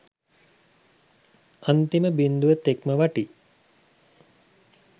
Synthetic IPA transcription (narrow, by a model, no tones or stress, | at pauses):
ant̪iməbind̪ujət̪ekməʋaʈi